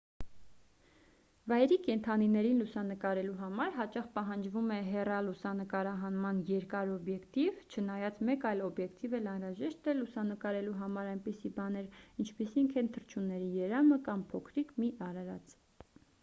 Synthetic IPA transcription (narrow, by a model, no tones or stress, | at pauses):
vɑjɛɾikɛnt̪ʰɑninɛɾinlusɑnəkɑɾɛluɦɑmɑɾɦɑt͡ʃɑχpɑɦɑnd͡ʒvumɛɦɛrɑlusɑnəkɑɾɑɦɑnmɑnjɛɾkɑɾɔbjɛkt̪ivt͡ʃʰənɑjɑt͡smɛkɑjlɔbjɛkt̪ivɛlɑnɾɑʒɛʃt̪ɛlusɑnəkɑɾɛluɦɑmɑɾɑjnpisibɑnɛɾint͡ʃʰpisiŋkʰɛnt̪ʰəɾt͡ʃʰunːɛɾijɛɾɑməkɑmpʰɔkʰɾikmiʔɑɾɑɾɑ̰t͡sʰ